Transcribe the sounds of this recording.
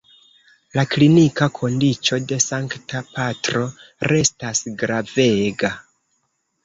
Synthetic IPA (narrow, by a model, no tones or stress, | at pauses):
laklinikakʰo̞ndit͡ʃo̞de̞saŋktapatɾo̞ɾe̞stasɡɾave̞ɡa